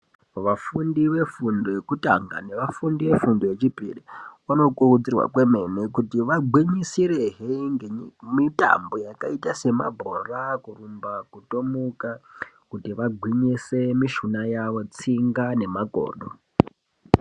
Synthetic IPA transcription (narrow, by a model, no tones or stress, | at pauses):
ʋafundiʋe̞fundojekuta̰ŋɡa̰ne̞ʋafundiʋe̞fundojet͡ʃipḭriʋano̞kurud͡zirwa̰kwe̞me̞nekutiʋaɡʱwiɲisiɾeɦiŋɡemita̰mbo̞jakaitase̞ma̰bʱorakurumbakuto̞muka | kutiʋaɡʱwiɲisemiʃunajaʋo̞t͡siŋɡane̞maɡʱo̰ːɗo̰